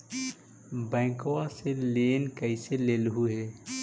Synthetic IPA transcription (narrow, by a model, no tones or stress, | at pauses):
bɛ̃ːkowaseleːnkəɪseleːlɦuɦɛː